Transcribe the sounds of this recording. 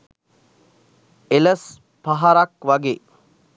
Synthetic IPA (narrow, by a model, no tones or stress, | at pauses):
eləs | paɦaɾakʋaɡeː